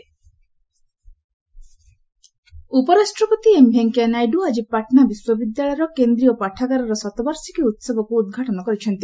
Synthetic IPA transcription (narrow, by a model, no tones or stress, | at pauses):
upɔɾasʈɾɔpɔt̪iembʱeŋkenajɖuad͡ʒipaʈʰnabiswɔbid̪jaɭɔjɾɔkend̪ɾijɔpaʈʰaɡaɾɔɾɔsɔt̪ɔbaɾsikiut̪sebɔkuːd̪̚ɡʱaʈɔnɔkɔɾit͡ʃʰɔnt̪i